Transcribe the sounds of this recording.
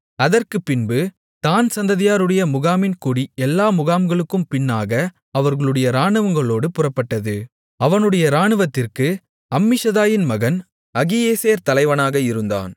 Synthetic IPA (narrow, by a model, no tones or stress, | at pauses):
ɐðɐrkɯpːɪnbɯ | t̪aːnsɐnd̪ɐðɪjaːɾɯɽɐjɐmʊɣaːmɪnkuːɽiɛlːaːmʊɣaːmɡɐɭɯkːɯmpɪnːaːɣɐ | ɐʋɐɾɣɐɭɯɽɐjɐɾaːɳɯʋɐŋɡɐɭoːɽɯpʊrɐpːɐʈːɐðɯ | ɐʋɐnɯɽɐjɐɾaːɳɯʋɐt̪ːɪrkɯ | ɐmːɪʂɐðaːjɪnmɐɣɐn | ɐɣɪjeːseːɾt̪ɐlɐɪʋɐnaːɣɐɪɾɯnd̪a̰ːn